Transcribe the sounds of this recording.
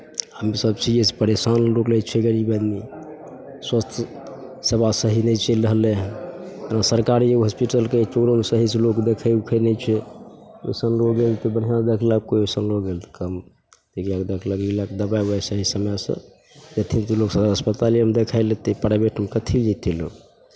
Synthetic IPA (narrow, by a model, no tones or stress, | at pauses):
əmisəbsiespəɾesanɾoklɛt͡ʃʰɛɡəɾibəni | swəst̪ʰjə | sebasəɦinɛt͡ʃʰelɾəɦleɦt̪ənasəɾkaɾeɦəspiʈəlket͡ʃoɾomesəɦislokd̪ekʰəjukʰɛnɛt͡ʃʰɛ | ḛsənɾoɡelt̪ɔbən̤ijãd̪ekʰləkoesənɾoɡelt̪ʰkəm | t̪ikakd̪ekʰləklilaked̪əbajbesəɦisəmjsə̰̃ | d͡ʒət̪ʰint̪uloksəbaəspət̪aliəmed̪ekʰaɪlet̪epəɾebeʈʰəmkət̪ʰild͡ʒet̪ʰːilo̰